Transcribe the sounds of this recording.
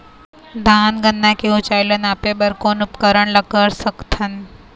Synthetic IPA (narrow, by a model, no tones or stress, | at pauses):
d̪ʱaːnɡə̃nd̪ʱãkiɦot͡ʃaːɪlənaːpeɓəɾkoːnʊpkəɾəɽ̃lɐkəɾsɐkt̪ʰənɪ̆